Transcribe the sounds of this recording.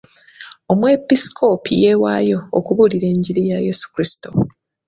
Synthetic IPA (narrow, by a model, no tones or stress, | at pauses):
o̞mwepisi̥kʰo̞pije̞wa̰jo̞ːkuβuliɾe̞ːɲɟiɾijaje̞su̥kɾisi̥to